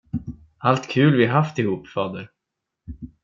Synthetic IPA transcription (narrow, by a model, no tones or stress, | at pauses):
alt̪kʰʉ̟ːlvɪɦaft̪ɪhuːpːfɑːd̪əɾ